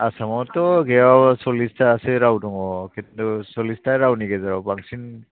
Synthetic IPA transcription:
asamɔtɔɡɛasɔlistaːsɛɹawdɔŋɔkɛusɔlistaɹawniɡɛzaɹɔpaŋsin

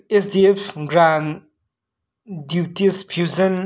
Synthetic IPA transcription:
esdiefɡɾan | djuːtispʰjuzə̃n

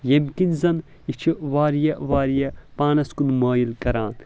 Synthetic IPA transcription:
jemkinzɐn | it͡ʃʰiʋaːɾijɐʋaːɾijɐpaːnɐskunmaːjilkɐɾaːn

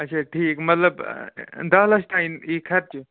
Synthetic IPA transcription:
ɐt͡ʃʰaʈʰiːkmɐt̪ləbd̪ɐːlɐʃt̪aːiniːkʰɐɾ̚t͡ʃu

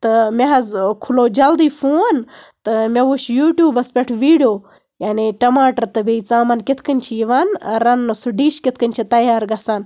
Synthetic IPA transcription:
t̪ɐmeɦɐzkʰuloːd͡ʒɐld̪iːfoːnt̪ɐmʲeɡuʃjuːʈjuːbɐspʲeʈʰʋiːɽjoː | jaːniʈɐmaːʈɐɾt̪ɐbeit͡saːmɐnkʲet̪ʰkɐnʲt͡ʃʰiiʋaːnɾɐnːɐsuɖiːʃkʲet̪̚ʰkɐnʲt͡ʃʰit̪ɐjaːɾɡɐsaːn

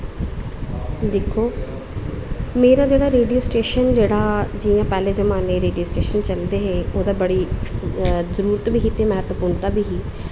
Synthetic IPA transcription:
d̪ɪkʰːoː | meːɾaːd͡ʒeːɽaːɾeːɖijoːsʈeːʃənd͡ʒeːɽaːd͡ʒiːjãːpɛːleːzəmaːneːɾeːɖijoːsʈeːʃənt͡ʃəld̪eːɦeːoːd̪aːbəɽiː | zəɾuːɾət̪biːkit̪eːmɛɦt̪əpʊɳt̪aːbiːɦiː

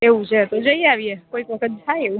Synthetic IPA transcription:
eʋũt͡ʃʰet̪od͡ʒəiaʋiekoikʋəkʰət̪̚t̪ʰajeũ

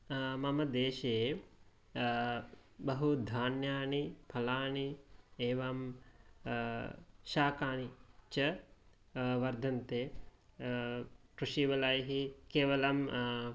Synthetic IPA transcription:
mɐmɐd̪eːʃɐjeː | bɐɦud̪ʱaːnjaːnipʰɐlaːɳieːʋaːm | ʃaːkaːnit͡ʃɐ | ʋɐɾd̪ʱɐnt̪eː | kɾuʃiːʋɐlaːjɦikeːʋɐlɐm

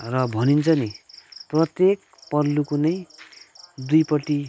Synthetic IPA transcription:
rʌbʱʌnint͡sʰʌniprʌt̪jek̚ | pʌlːukunʌj | d̪ujpʌʈi

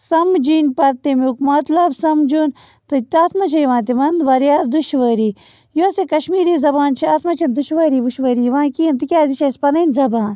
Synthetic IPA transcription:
sɐmd͡ʒiːnpɐɾt̪imukmɐt̪lɐbsɐmd͡ʒun | t̪ɨt̪aːt̪ʰmɐt͡ʃʰɐjʋãːnt̪iʋɐnd̪ʋɐɾjaːɾd̪uʃʋɐːɾiː | josekɐʃmiːɾiːzɐbaːnt͡ʃʰiaːt̪ʰmɐt͡ʃʰɐnd̪uʃʋɐːɾiːʋuʃʋɐːɾiːʋãːkiɐnt̪ikʲaːziʃʰɐspɐnɐinzɐbaːn

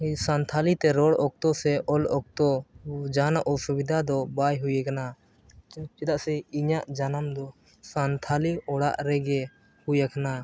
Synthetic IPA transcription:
sant̪ʰalit̪ɛɾɔɽɔk̚t̪ɔsɛʔɔlɔk̚t̪ɔd͡ʒanaʔɔsubid̪ʱad̪ɔbajɦujɛkana | t͡ʃɛt̪aʔsɛiɲaʔd͡ʒanamd̪ɔ | sant̪ʰaliɔɽa̰ʔɾɛɡɛ | hujakʰana

